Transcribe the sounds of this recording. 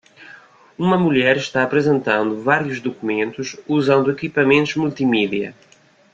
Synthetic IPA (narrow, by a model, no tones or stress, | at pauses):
umɐmuʎɛɾʃt̪aɐpɾɨzẽnt̪ɐ̃nd̪uvaɾjuʒðukumẽnt̪uʃuzɐ̃nd̪uekipɐmẽnt̪uʒmulˠt̪imiðiɐ̰